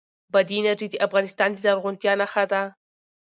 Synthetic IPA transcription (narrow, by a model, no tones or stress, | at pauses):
bad̪inaʈ͡ʂid̪iʔafɣɑnɪst̪ɑnd̪izaɾʁʊnt̪jɑnaxat̪a